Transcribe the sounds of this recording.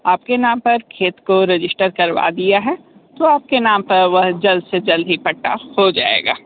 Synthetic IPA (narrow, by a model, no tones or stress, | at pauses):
aːp̚kenãːmpɐɾkʰeːt̪koɾɪd͡ʒɪsʈəɾkɐɾʋa̰d̪ijaɦɛ | t̪oaːp̚kenaːmpɐɾʋɐɦd͡ʒɐld̪sed͡ʒɐld̪ʱɦipɐʈːa̰hod͡ʒa̰ːḛːɡa̰ː